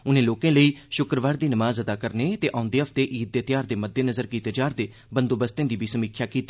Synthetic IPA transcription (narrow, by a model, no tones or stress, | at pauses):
ʊnẽːloːkẽːləiːʃʊkɾəʋaːɾd̪iːnəmaːzəd̪aːkəɾneːt̪eːʔaːʊ̃nd̪eːɦəft̪eːʔiːt̪̚d̪eːt̪jaːɾd̪eːməd̪ːeːnəzəɾkiːt̪eːd͡ʒaːɾd̪eː | bə̃nd̪oːbəst̪ẽːd̪iːbiːsəmiːkʰjaːkiːt̪i